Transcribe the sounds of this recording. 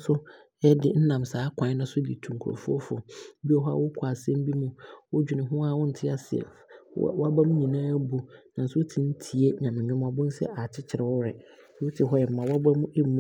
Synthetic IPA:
sʊ˦ | ɛ˦dɪ˨n̩˦nã˨msaː˨˦kʷʰã˨˦nʊ̃˦sʊ˦dɪ̰˨tʰũ˨ŋ˨kʰɾo̰˨fʊ˦ɔ˦fʊ̰˨˦bi˦ɔ˦ɦɔ˦a̰˦wʊ˦kʷʰa˨sɛ̃˦m˦bi˦mũ˦wʊ˦d͡ʑᶣʊ˨nɪ̃˨ɦʊ̃˦a˦˨wʊ˦n̩˨tʰɪ˦a˨sɪ˨ɛ̰˨fwa˦ba˦mʊ̃˦ɲĩ˨nãː˦bu˨nã˨n̩˦sʊ˦o˦tʰi˨n̩˦tʰi˨e˦ɲã˨mɪ̃˨ɲʊ̃˦m˦a˨bʊ̃˦n̩˦sɛ̰˦ʔa˨t͡ɕʰɪ˦t͡ɕʰɪ˨ɾɛ˨wɔ˦ɾɛ˨˦ | wʊ˦tʰɪ˨ɦɔ˦ɛ˨m̩˨˦mã˨wɔ˦bɛ˦mʊ̃˦ʔe˦mũ˦

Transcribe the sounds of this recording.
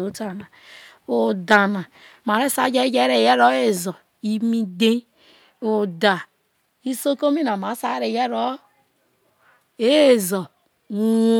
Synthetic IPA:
o˨˦ta˨na˨ | o˨da˨na˨ | ma˨ɾe˦sa˦d͡ʒe˦d͡ʒe˦ɾe˨je˦ɾo˦e˦˨zɔ˨ | i˦mi˦de˦ | o˨da˨ | i˦so˦ko˦mi˦na˨ma˨˦sa˦ɾe˨jɛ˦ɾɔ˦ | e˦˨zo˨˦

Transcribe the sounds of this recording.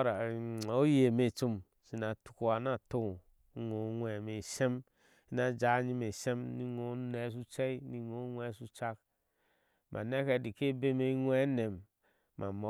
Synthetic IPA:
ɾa˨o˦je˨me˨t͡ʃu˦m | si˦na˨tu̥˨ku˦a˨na˦to˦˨˦ | ŋo˨˦ŋʷe˨me˨se˦m | i˦na˦d͡ʒa˨˦ɲi˦me˨se˦mni˦ŋo˦ne˨˦s̬u˦t͡ʃe˦ni˦ŋo˨˦ŋʷ˦e˦˨su˦t͡ʃa˦k | mʔa̰˨ne˦ke˨di˨ke˦be˦me˦ŋʷ˦e˦ne˨m | mʔa̰˨mo˨

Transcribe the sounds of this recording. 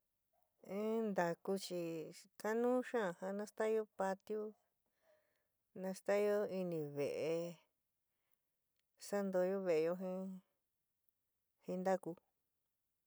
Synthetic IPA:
ẽ˦nd̪a˨ku˧t͡ʃi˧ka˦nũː˦ʃã˦˨hã˧nã˦st̪a˦˧jo˦pa˧t̪ju˦ | nã˧st̪a˦jo˦i˧nĩ˧˨βe˨ʔe˧ | sa˦nd̪o˧jo˦βe˧ʔe˧jo˧ɦĩ˦ | hĩ˧nd̪a˦ku˧

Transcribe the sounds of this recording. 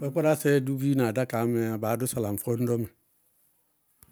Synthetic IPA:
be˦pa˦ɾa˦se˦du˦ɡi˦na˨da˦ka˨˦me˨a˨ba˨˦dʊ˦sa˨la˨m̩˨fo˦n̩˦do˦me˨

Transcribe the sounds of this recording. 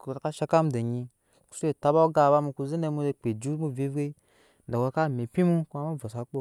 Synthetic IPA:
ku˨ɾa˨ka˦ʃa˧˦ka˦mde˨ɲi˧ | ku̥˨˦su˦e˨ta˦ba˦o˦ɡa˦˨ba˦mu˧ku˧ze˦ne˧mu˧k͡pe˨d͡ʒu˦mu˦vi˦vɡe˦˨ | da˨wo˧˦ka˦˨me˨pʲi˦mu˦ku˦a˨˦ma˦va˨sa˨˦k͡po˦

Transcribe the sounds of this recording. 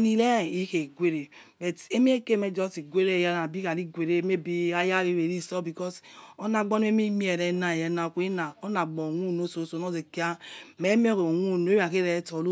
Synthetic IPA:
ni˨le˦˨i˦ke˨ɡwe˦ɾe˨ | bɛ˨te˦mi˦e˦ke˦˨me˦d͡ʒɔ˦sti˨ɡʷe˦ɾe˦˨ja˦na˨bi˦ka˨li˦ɡʷe˨ɾe˦me˦bi˦a˦ja˦ɾi˦˨ɾe˨ɾi˦˨sɔ˦bi˨kɔ˦so˦na˨ɡ͡bɔ˦n˦e˦mi˦mi˦ɛ˨ɾɛ˦na˨jɛ˨˦na˨kʷe˦na˨o˦na˨ɡ͡bɔ˨ŋʷu˦˨no˦so˨˦so˨nɔ˦ze˨ki˦a˦me˦mi˦o˦ko˨wʷu˦˨no˨˦a˨ke˦ɾɛ˦tɔ˨lo˦

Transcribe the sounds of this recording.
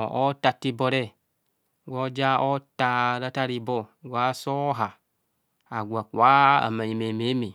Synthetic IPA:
o˦ta˨ti˧bɔ˨ɾɛ˦˨ | ɡo˦d͡ʒa˦o˦ta˨ɾa˦ta˦ɾi˧˨bɔ˦˨ɡu˨a˦sɔ˦ɦa˨ | a˨ɡʷa˨ku˨a˦a̰˨ma˨ɲi˨me˨me˨˦me˨

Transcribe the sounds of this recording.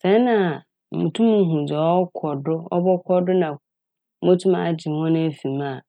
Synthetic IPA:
sɛ˨˦nã˨ | m̩˨mũ˨tʰũ˦m˨˦ɦũ˨d͡zɔ˨ɔ˦kʰɔ˨dʊ˦ɔ̰˦bɔ˦kʷʰɔ˦dʊ˦nã˨˦ | mõ˦tʰũ˦ma˨d͡ʑi˨hɔ̃˦nʊ̃˦e˦fĩ˨mã˦˨

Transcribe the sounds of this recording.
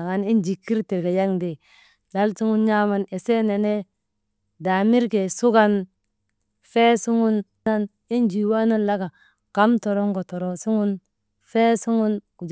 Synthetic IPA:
a˨ŋa˦ni˦nd͡ʒi˨kːi˦ɾti˨ɡa˨ja˦ŋde˨ | la˦lsu˦ŋu˦nɲa˦ma˦ne˨se˦ne˨ne˦ | da˨mi˦ɾke˨su˦ɡa˦n | fe˦su˦ŋu˦n | a˦n | i˦nd͡ʒi˨wa˦na˦nla˦ɡa˨ | ka˦mto˨ɾo˦ŋɡo˨to˨ɾo˨su˦ŋu˦n | fe˦su˦ŋu˦nku˨d͡ʒ

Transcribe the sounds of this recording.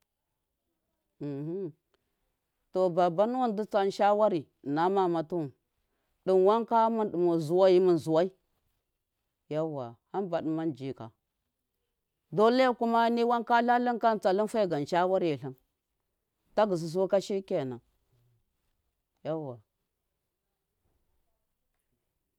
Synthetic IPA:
to˨ba˨ba˦nu˦wa˦ndu˦t͡sa˦n˦ʃa˦wa˦ɾi˨na˦ma˨ma˨tu˦˨n | ɗi˨nwa˦ŋka˦mu˦nɗu˨mu˨zu˨wa˦ji˦mu˨n˨zu˨wa˦i˦ | ja˦wa˨ha˦nba˨ɗə˨ma˦nd͡ʒi˨ka̰˨ | do˦le˦ja˦ku˦ma˦ni˦wa˦ŋka˦ɬa˦li˦nka˦n˨t͡sa˨li˦n˦fa˦i˦˨ɡa˨n˨ʃa˦wa˦ɾi˨ji˨ɬə˦n | ta˦ɡə˨s̬i˨s̬u˦ka˦ʃi˦ɾke˦˨na˨ | ja˦wa˨

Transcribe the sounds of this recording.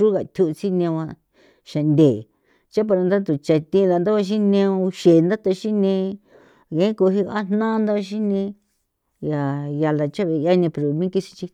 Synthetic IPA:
u˦ɣa˨t̪ʲʰu˧ʔt͡si˦nẽ˧ã˧ | ʃa˨nd̪ʲe˨ | t͡ʃa˦p̬a˧ɾa˧nd̪a˦t̪u˨t͡ʃa˧t̪ĩ˧la˧nd̪a˦βa˧ʃ̬ĩ˦nẽ˧ʃe˨˧nd̪a˦t̪a˧ʃi˦nẽ˧ | ɣẽ˨˦ko˧ɦi˧a˦n̥nã˦˧nd̪a˦a˦˧ʃ̬i˦nẽ˧ | ja˨ja˧la˧t͡ʃa˦βe˧ja˧nĩ˧pe˧˨ɾo˨mĩ˦ki˦si̥˧t͡ʃi˧

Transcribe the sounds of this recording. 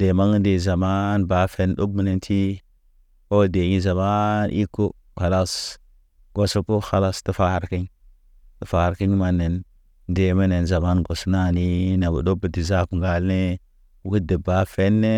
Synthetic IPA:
de˨ma˦ŋ˦de˨za˨ma˦nba˨˦fe˦n˦ɗo˦k̚mi˦ne˨ntʰi˦ | o˦˨de˨ɲi˦za˨ma˦nʔi˦kːo˦ | xa˨la˦s | ɡ̥o˨so˦po˦xa˨la˦sti˦fa˦˨ɾki˦ɲ | ti˨fa˨ɾki˦ɲ˦ma˨nːe˨n | de˨me˦ne˨nza˨ma˦nɡo˨sna˦˨ni˦na˨ɡṵ˨ɗo˦bə˨ti˨za˦kŋ˨ɡa˨lne˦ | ɡu˦de˨ba˨˦fe˦nːe˦

